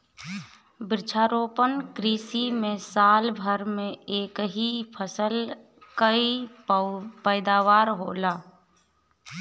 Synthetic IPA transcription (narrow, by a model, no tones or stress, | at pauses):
bɾɪt͡ʃʰaːɾoːpənkɾiːsimẽsaːlbʱəɾmẽeːkɦipʰəsəl | kəi | pəːd̪aːʋaːɾɦoːlaː